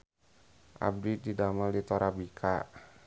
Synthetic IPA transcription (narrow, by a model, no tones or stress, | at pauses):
ʔa̰b̚dididamaldit̪ɔɾabikʰa